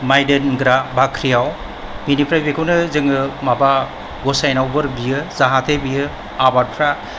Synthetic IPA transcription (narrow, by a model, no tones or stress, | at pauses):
majdenɡɾabʱakʰɾijaw | minipʰɾajbekʰɯwnɯzɯŋɯmaba | ɡɔsajnawbɯɾbijɯzaɦatʰebijɯ | abaɾpʰɾa